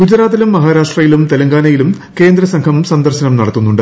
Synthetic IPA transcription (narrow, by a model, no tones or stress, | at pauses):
ɡ̥ud͡ʑɾaːt̪ːilumːɐɦaːɾaːʂʈrɐjilumt̪e̞lɐŋɡaːnɐjilum | ke̞ːnd̪rɐsɐŋkʰɐmsɐnd̪ɐrɕɐnɐmnɐɽɐt̪ːunːuɳɖɨ